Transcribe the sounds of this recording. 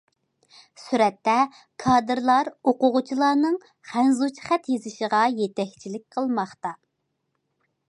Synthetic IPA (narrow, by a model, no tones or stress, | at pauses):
syɾɛt̪ʰːɛ | kʰɑːd̪ɨɾlˠɑɾoqʊʁʊt͡ʃʰilˠɑːnɨŋ | χænzut͡ʃʰi̥χæt̪jezɪʃɪʁɑjet̪ʰɛkʲt͡ʃʰilɪk̚ʲqʰəlˠmɑχt̪ɑ